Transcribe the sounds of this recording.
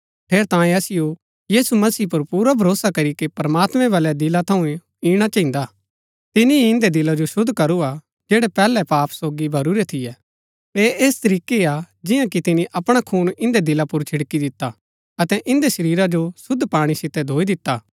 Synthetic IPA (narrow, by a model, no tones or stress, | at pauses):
pʰeːɾt̪ãːĩɐsɪjo | jiːsumɐsiːpɐɾpuːɾabʱɐɾoːsakɐɾikepɾɐmaːt̪mɛ̃ʋɐlad̪ɪlat̪ʰɐũ | iːɽ̃at͡ʃãːɦɪ̃nd̪aː | t̪ɪniɪ̃nd̪ed̪ɪlad͡ʒoʃʊd̪ʱkɐɾua | d͡ʒeːɽɛpɛːlɛpaːpsoːɡibʱɐɾuɾet̪ʰɪjɛ | eːʔeːst̪ɐɾiːkea | d͡ʒɪjãkit̪ɪniʔɐpɽ̃akʰuːnɪ̃nd̪ed̪ɪlapʊɾt͡ʃʰɪɽkid̪ɪt̪ːa | ɐt̪ɛʔɪ̃nd̪eʃɐɾiːɾad͡ʒosʊd̪ʱːpaːɽ̃isɪt̪ːɛd̪ʱoːid̪ɪt̪ːaː